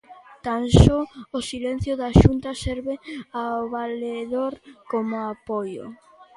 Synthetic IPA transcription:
t̪ansɔosilen̟θjʊðaʃunt̪ɐsɛɾβɪaoβaleðoɾkomʊapɔjʊ̰

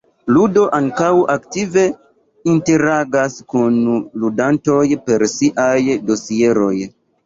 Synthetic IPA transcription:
ludo̞ʔaŋkawʔaktive̞ | inte̞ɾaɡaskunludanto̞jpe̞ɾsiʔajdo̞sieɾo̞j

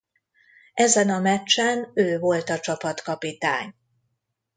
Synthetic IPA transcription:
ɛzɛnɒmɛt͡ʃːɛnøːvo̞lt̪ɒt͡ʃɒpɒt̪kɒpit̪a̰ːɲ

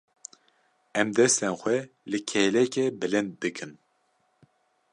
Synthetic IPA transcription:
ɛmd̪ɛst̪ɛnxʷɛ | lɨkʰɛlɛkɛbɨlɨnd̪̚b̪ɨkʰɨn

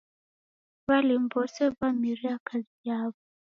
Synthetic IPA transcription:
βalimbɔsɛvamiɾiakazijaβɔ

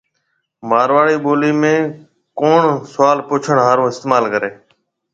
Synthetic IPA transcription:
maːɾʋaːɽiːɓoːliːmẽː | koːɳsʊʋaːlpʊːt͡ʃʰəɳɦaːɾõːɪst̪eːmaːlkəɾeː

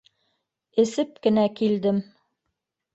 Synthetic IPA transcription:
ɘ̆sɘp̚kɘ̆nækild̪ɘm

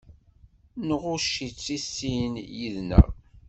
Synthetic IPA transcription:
nəʁʊʃit͡sːisːinjiðnæ̰

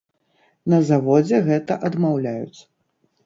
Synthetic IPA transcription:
nɐzavɔd͡zʲɛɣɛt̪ɐʔɐd̪mawlʲajṵt̪sɐ̥

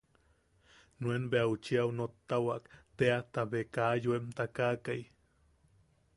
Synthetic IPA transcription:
nuenbeaut͡ʃiaunot̪ːawakt̪eat̪aβekajuemt̪akakaj

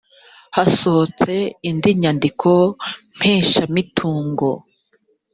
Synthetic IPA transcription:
hasot͡se̞indiɲandikʰom̥heːʃamitʰuːŋɡo̰

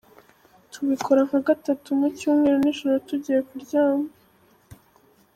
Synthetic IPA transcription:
tuβikʰo̞ɾaŋ̥haɡatatumucuːmŋweɾoniʒoɾotuɟijekuɾɟaːmɡe

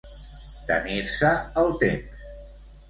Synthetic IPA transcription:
t̪ə̰niɾsəəlˠt̪ems

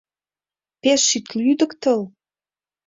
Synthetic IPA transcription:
peʃːyt̪lyd̪ə̆kt̪əl

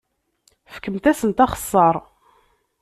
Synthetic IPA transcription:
fə̥kːəmt̪æsənt̪ɑχə̥sˤːɑɾˤ

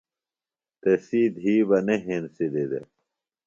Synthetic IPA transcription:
t̪esiːd̪ɦiːbɐneɦensid̪ed̪ḛ

